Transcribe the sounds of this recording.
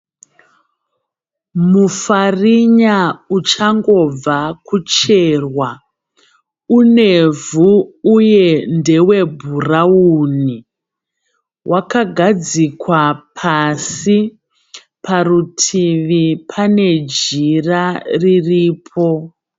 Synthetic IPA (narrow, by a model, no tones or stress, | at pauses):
mufariɲaut͡ʃaŋɡo̞b͡vakut͡ʃe̞ːrwa | une̞vuuje̞nde̞we̞bʱurauni | wʔakaɡʱad͡zikwapʰasi | pʰarutʰiʋipʰane̞d͡ʒiraririːpʰo̞